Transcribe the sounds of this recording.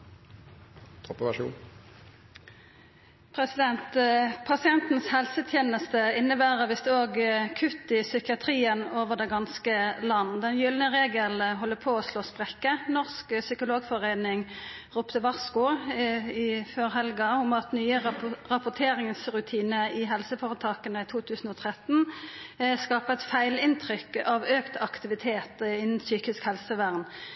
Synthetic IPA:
t̪ʰɔpːəʋæʂṵːn | pʰɾɛsɪd̪ɛnt̪pʰɑsɪɛnt̪n̩shɛlsət̪ʰjeːnəst̪əɪnːəbæːʁəʁʋɪsd̪ɛoːɡkʰʉt̪ːɪsʏkɪɑt̪ʰɾiːənoːʋəd̪ɛɡɑnskəlɑnːd̪ɛnjʏlnəʁeːɡəlɦɔlːəpʰoːoːsloːspʁɛkːənɔʁsksʏkʊloːɡfɔʁenɪŋ | ʁuːpt̪əʋɑʁskʊ | ɪføːʁhɛlɡɑʊmɑt̪nyːəʁɑpʊt̪ʰeːʁɪŋsʁʉt̪ʰiːnəɪɦɛlsəfoːʁət̪ʰɑːkənəɪt̪ʰuːt̪ʰʉːsn̩ɔːt̪ʰʁɛt̪n | skɑːpəɛt̪fæɪlɪnt̪ʰʁʏkɑʋøːkt̪ʰɑkt̪ɪʋɪt̪ʰeːt̪ɪnːn̩syːkɪskhɛlsəʋæʁn

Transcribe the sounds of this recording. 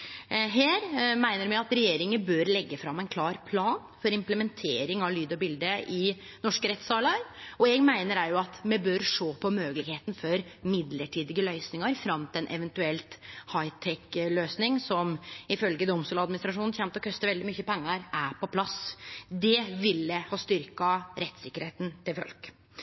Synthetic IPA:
ɦeːɾmæɪnəɾmɛɡɑt̪ɾɛjeːɾɪŋəbøːɾlɛɡːəfɾɑmːæɪnkʰlɑːɾpʰlɑːnfɔɾɪmpləmɛnt̪ʰeːɾɪŋɑʋlyːd̪ɔbɪld̪əɪ | nɔʂkəɾɛt̪sɑːlɑɾɔɛɡmæɪnəɾæɾjʊɑt̪mɛbøɾʂoːpʰɔmøːɡəlɪɡheːt̪n̩fɔɾmɪd̪ləʈʰiːd̪ɪɡəlœʏsnɪŋɑɾfɾɑmt̪ɛnʔɛʋɛnt̪ʉɛlt̪hɑɪt̪ʰɛkløːsnɪŋsɔmɪfœlɡəd̪ɔmst̪uːlɑd̪mɪnɪst̪ɾɑʂuːnn̩çɛmt̪ɔkʰœst̪əʋɛld̪ɪmyçəpɛŋːɑɾæpɔpʰlɑsd̪ɛʋɪlːəhɑst̪ʏɾkɑɾɛt̪ːsɪkːəɾheːt̪n̩t̪ʰɪlfœ̰lk

